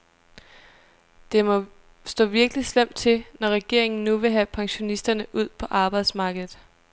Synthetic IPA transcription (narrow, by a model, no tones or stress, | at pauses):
d̥e̝mɒ̽ | sd̥ɔ̰ːʋiɐɡ̥əlislem̰d̥t͡sʰe̝lnɒʁɛɡ̥e̝ɐ̰e̝ŋn̩ːuʋe̝ɦæpʰɑ̈ŋɕo̝nisd̥ɐnəʔuð̞̰ˠpʰɒ̽ʔɑ̈ːb̥ɑ̈ɪd̥smɑ̈ːɡ̥ð̩ˠ